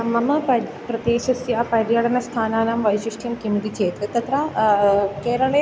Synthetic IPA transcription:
mɐmɐɐ | pɾɐd̪eːʃɐsjapɐɾjɐɽɐnɐst̪ʰaːnaːnɐmʋɐjʃiʂʈʰjɐmkimid̪it͡ʃeːt̪ɾɐt̪ɐt̪ɾa | keːɾɐɭe

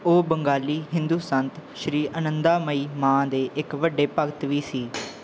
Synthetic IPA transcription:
oːbəŋɡaːliːɦɪ̃nd̪uːsənt̪ʃɾiːʔənə̃nd̪aːməiːmãːd̪eːʔɪkʋəɖeːpəɡt̪ʋiːsiː

